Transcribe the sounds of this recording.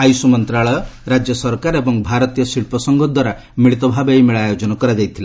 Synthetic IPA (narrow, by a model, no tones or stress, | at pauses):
ajusumɔnt̪ɾaɭɔjɔɾad͡ʒjɔsɔɾkaɾebɔŋbʱaɾɔt̪ijɔsiɭpɔsɔŋɡɔd̪waɾa | miɭit̪ɔbʱabejmeɭajod͡ʒɔnɔkɔɾad͡ʒajt̪ʰila